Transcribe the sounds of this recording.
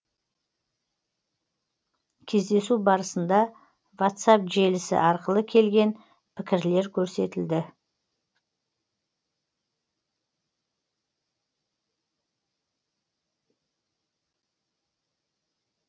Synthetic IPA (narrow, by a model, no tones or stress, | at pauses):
kʲʰe̞zd̪e̞subɑɾəsənd̪ɑ | vot̪sɑpʒe̞lɪsɪ̰ʔɑɾqəlˠəkʲʰe̞lɡʲe̞n | pʰɪkʲɪɾle̞ɾkʲʰɵɾse̞t̪ɪld̪ɪ